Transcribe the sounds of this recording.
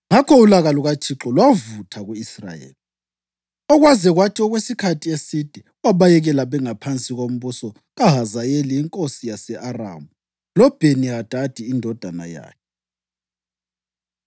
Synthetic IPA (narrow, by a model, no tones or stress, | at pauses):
ŋakʰɔulaɣaluɣat͡ʃʰʼiǁɔlwavutʰaɣuisra̰jḛːli | ɔɣwazɛɣwatʰiɔɣwesikʰatʰiesid̥ʱɛuwaβajɛɣɛlaβɛŋapʰant͡sʼiɣom̩βusɔ | ɣaɦazajeliːŋkʼosijasɛʔara̰ːmu | lɔb̥ʱeniɦad̥ʱad̥ʱiːndʱɔd̥ʱana̰ja̰ːkʰɛ